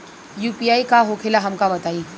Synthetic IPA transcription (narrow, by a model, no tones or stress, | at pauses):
juːpiaːikaɦokʰelaɦɐmkabɐt̪aːiː